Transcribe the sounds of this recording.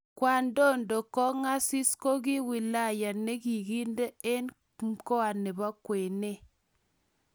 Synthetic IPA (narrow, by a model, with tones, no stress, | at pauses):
kwa˨ndo˦˨ndo˨kɔ˦ŋa˦si˦sko˦ki˦wi˨la˦˨ja˨ne˦ki˨ɡi˦nde˦e˦n | mko˦a˨ne˨ba˦kwe˨ne˦